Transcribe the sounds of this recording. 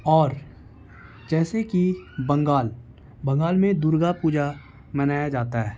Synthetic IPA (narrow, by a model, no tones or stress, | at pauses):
ɔːɾ | d͡ʒɛːsekibɐ̃ŋɡaːl | bɐ̃ŋɡaːlmẽd̪uːɾɡapuːd͡ʒa | mɐnaːjad͡ʒaːt̪aɦɛː